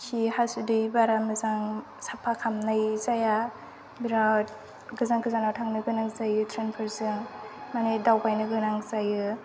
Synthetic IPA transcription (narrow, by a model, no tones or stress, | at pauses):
sihasudɯjbaɾamɯzaŋ | sapʰakʰamnajzaja | biɾa | ɡɯzaŋkʰɯzanawtʰaŋnɯɡɯnaŋzajɯtʰɾenpʰɯɾzɯŋmanedawpajnɯɡɯnaŋzajɯ